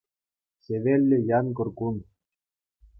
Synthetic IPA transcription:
seβelʲːĕjɑnkɤ̆rkun

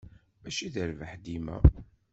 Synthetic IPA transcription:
væʃiðəɾvəħd̪imæ̰

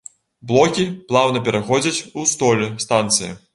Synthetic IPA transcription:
blˠɔkʲiplˠawnɐpʲɛɾaxɔd͡zʲɐt͡sʲust̪ɔlʲɛst̪ant̪sɨjɐ̰

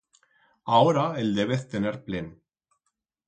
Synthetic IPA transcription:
aɔɾaɛld̪ɛβɪθt̪ɛnɛɾpleːn

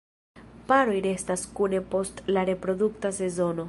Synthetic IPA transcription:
paɾo̞jɾe̞staskune̞po̞stlaɾe̞pɾo̞d̪uktase̞zo̞no̞

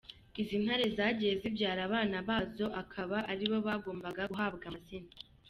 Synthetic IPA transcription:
izin̥haɾe̞zaːɟije̞zibɟaːɾaβaːnaβaːzo̞ʔakʰaβaʔaɾiβo̞βaːɡo̞ːmbaɡaɡuɦaːbɡazina

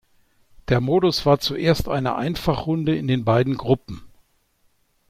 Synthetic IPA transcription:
d̥eːɐmoːdʊsv̥aːɐt͡suʔeːɐstʔa̰ɪnə̰ʔa̰ɪnfaχʁʊndəɪndeːnbaɪdn̩ɡʁʊpm̩

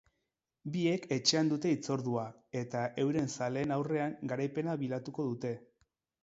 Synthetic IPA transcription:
bie̞kʰe̞t͡ʃe̞and̪ut̪e̞it͡so̞ɾðua | e̞t̪aʔe̞wɾe̞nsale̞ːnawre̞aŋɡaɾajpe̞naβilat̪uko̞ðut̪e̞

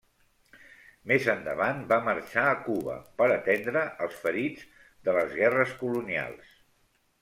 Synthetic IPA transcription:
mezənd̪ə̰βanbamərt͡ʃaəkuβə̰pəɾət̪ɛnd̪ɾəʔəlˠsfəɾid͡z | d̪ələzɣɛrəskulunia̰lˠs

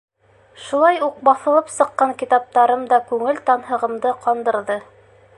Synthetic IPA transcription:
ʃulˠɑjuq̚bɑθɤ̆lˠɤpsɤ̆qːɑŋkit̪ɑp̚t̪ɑɾɤmd̪ɑkʉŋɘlt̪ɑnɦɤ̆ʁɤ̆md̪ɤqɑnd̪ɤ̆ɾðɤ

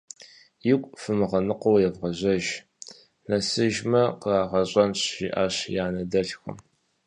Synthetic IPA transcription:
jɪkʷʼfɨmɨʁɐnɨqowjɛvʁɐʑɐʒ | nɐsɨʒmɐqəaːʁɐɕʼɐnɕḭʔaːɕjaːnɐdɐɬxɨ̰m

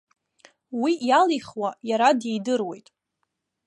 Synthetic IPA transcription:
wijaliχwajaɾadejdɨrwe̞̰jtʼ

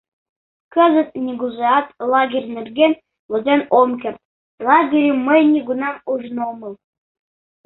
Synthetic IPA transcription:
kə̆zə̆t̪̚nʲiɡuzeɑt̪lˠɑɡʲerʲnʲɘ̆rʲɡʲenʲ | lŏzʲenomkʲerʲt̪̚ | lˠɑɡʲeɾʲiməjnʲiɡunɑmuʐnomɤ̆lˠ

